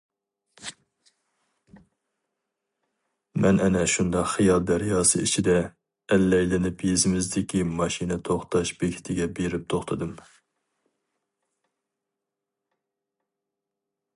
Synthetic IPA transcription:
mɛnɛnɛʃund̪ɑqχijɑlˠd̪æɾjɑːsɨ̰it͡ʃʰid̪ɛ | ɛlːɛjlɪnɪpʰjezɪmɪzd̪ɪkʲimɑʃinɛt̪ʰoχt̪ʰɑʃbeɡʲʰi̥t̪ʰɪɡʲɛbeɾɪp̚t̪ʰoχt̪ʰɨd̪ɨm

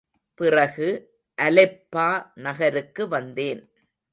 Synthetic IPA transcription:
pɪrɐɣɯ | ʔɐlɛpːaːnɐɣɐɾɯkːɯʋɐnd̪eːn

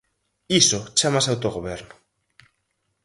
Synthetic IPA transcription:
isot͡ʃamasawt̪oɣoβ̞eɾnʊ

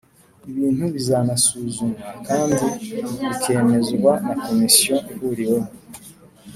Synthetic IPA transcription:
iβiːn̥huβizanasuːzumakaːndiβikʰe̞ːme̞zɡwanako̞misioʔihuɾijomu

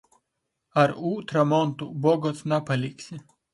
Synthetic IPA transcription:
aɾut̪ɾɐmɔnt̪ubɔɡɔsnapɐlʲiksʲɪ

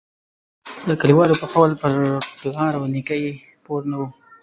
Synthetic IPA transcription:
d̪əkəliwɑlopəxawlpəɾplɑɾawnikaj | poɾnawu

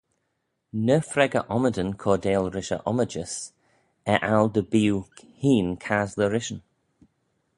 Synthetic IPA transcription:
nəfɾɛɡəʔɔmədənkʰɔːdeːlɾɪʃə̰ʔɔməd͡ʒəs | ɛʔald̪əbiːuw | hiːnkʰazləɾɪʃən

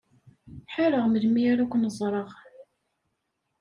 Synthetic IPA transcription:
ħaɾəʁməlmiaɾakʷːnəzˤɾˤəʁ

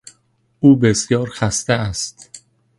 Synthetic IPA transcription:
ʔuːbesjɒːɾxæst̪eæst̪

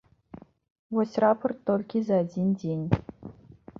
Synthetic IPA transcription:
vosʲraport̪ːolʲkʲizaːdʲindʲenʲ

